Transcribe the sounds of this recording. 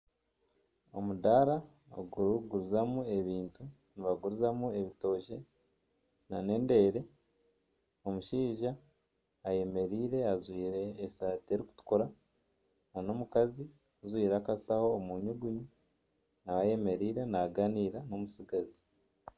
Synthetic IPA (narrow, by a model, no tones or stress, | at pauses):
o̞̰mudaɾa | o̰ɡuɾuɡuɾuzamue̞βiːntu | niβaɡuɾuzamue̞βito̞ːʃe̞ | nane̞ːnde̞ːɾe̞ | omuʃiːʒaː | je̞me̞ɾiːɾe̞azwiːɾe̞ːsaːtieɾiku̥tu̥koɾa | nano̞mukazi | kuzwiːɾakasaho̞ːmuɲuɡuɲu | naβaje̞me̞ɾiːɾe̞naɡaniːɾano̞musiɡazi̥